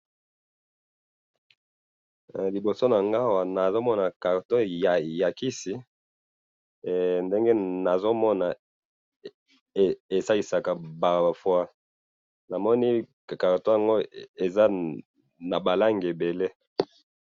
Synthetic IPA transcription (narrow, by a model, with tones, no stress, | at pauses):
li˨bo˨so˦na˨ŋɡa˦˨wa˨na˨zo˦mɔ˦na˨ka˨ʁto˦a˨ja˨ki˦si˦ | nde˦ŋɡe˦na˨zo˦mɔ˦na˨ | e˨sa˦i˨sa˨ka˨ba˨fwa˦ | na˨mɔ˦ni˦˨ | ka˨ʁta˨ŋɡo˦e˨za˦ | na˨ba˨la˦ŋɡe˨be˨le˦